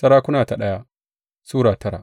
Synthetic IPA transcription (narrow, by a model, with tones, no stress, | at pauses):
sɐ˦ɾaː˦kʷʊ˦naː˨ta˨ɗɐ˦ja˦ | suː˦ɽaː˨tʰɐ˦ɽa̰˨ʔ